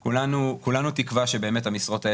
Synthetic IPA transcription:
kulanukulanut̪ikvaʃebe̞ːme̞t̪hamisʁo̞tae

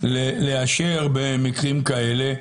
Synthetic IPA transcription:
leleaʃeʁbemikʁimkae̞le̞

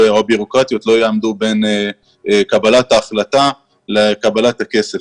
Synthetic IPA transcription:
obiʁo̞kʁat̪jo̞tlo̞jeamd̪ube̞ne | kabalat̪aːχlata | lekabalat̪ake̞se̞

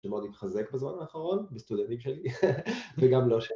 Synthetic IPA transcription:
emod̪it̪χazekbezma̰naːχaʁo̞nbest̪ud̪ent̪imʃeli | veɡamlo̞ʃe

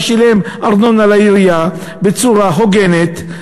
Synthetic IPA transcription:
ʃilemʔaʁnonalaiʁija | bet͡suʁaɦoɡenet̪

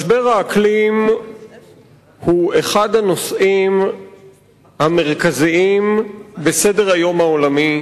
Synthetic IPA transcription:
ʃbeʁaːklim | hueχadano̞sʔim | hame̞ʁkaziimbesede̞ʁajo̞mao̞lami

